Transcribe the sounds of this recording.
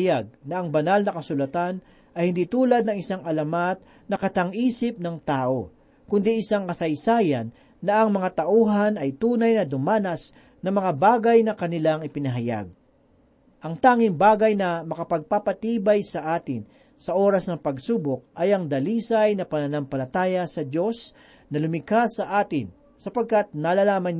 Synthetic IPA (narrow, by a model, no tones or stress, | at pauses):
jaɡ̚nɐʔɐŋbɐnalnɐkɐsʊlɐt̪an | ʔɐjhɪnd̪it̪uːlɐd̪̚nɐŋɪsaŋɐlɐmat̪̚ | nɐkɐt̪ɐŋiːsɪp̚nɐŋt̪aːʔo̞ | kʊnd̪iʔɪsaŋkɐsɐjsaːjɐnː | ɐʔɐŋmɐŋat̪ɐʔuːɦanɐjt̪uːnajnɐd̪ʊmaːnɐs | nɐmɐŋabaːɡajnɐkɐnɪlaŋɪpɪnɐɦɐja̰ɡ̚ | ʔɐŋt̪aːŋɪŋbaːɡɐjnɐmɐkɐpɐɡ̚papɐt̪iːbajsɐʔaːt̪ɪn | sɐʔo̞ːɾɐsnɐŋpɐɡsuːbok̚ʔɐjɐŋd̪ɐliːsɐjnɐpɐnɐnɐmpɐlɐt̪aːjɐsɐd̪o̞s | nɐlʊmɪkasɐʔaːt̪ɪn | sɐpɐɡ̚kat̪̚nalɐlaːmɐn